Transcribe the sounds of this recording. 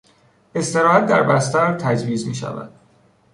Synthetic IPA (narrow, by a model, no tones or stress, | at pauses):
e̞st̪e̞ɾɒːhæt̪̚d̪æɾbæst̪æɾt̪ʰæd͡ʒviːzmiːʃæ̰væ̰d̪̥